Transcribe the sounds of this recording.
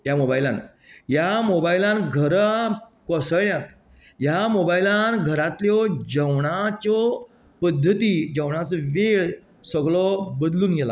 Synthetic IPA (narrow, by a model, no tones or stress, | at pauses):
jamobailã̰n | jamobailãnɡʱəɾkɔsəɭɳjat̪ | jamobailanɡʱəɾat̪ljɔd͡ʑəwɳat͡sɔ | pəd̪ʱːət̪iːd͡ʑəʋɳat͡sʋeɭ | səɡɭɔbəd̪luːnɡela̰